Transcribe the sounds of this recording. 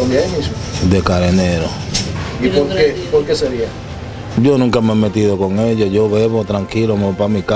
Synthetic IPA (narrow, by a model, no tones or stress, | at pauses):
omjanisod̪ekaɾeneɾoipoɾkeipoɾkeseɾia | ɟ͡ʝonũŋkameemet̪iðokoŋeʎoʝoβeβot̪ɾaŋkilomepamika